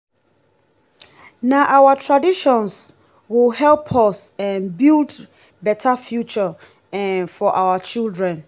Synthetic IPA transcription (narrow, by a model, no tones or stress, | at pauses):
naʔawatʰɹadiʃɔ̃ns | wɪlhɛlˠpʰɔsɛ̃nbild | bɛtʰafjut͡ʃə | ɛ̃nfɔʔawat͡ʃildɹɛ̃n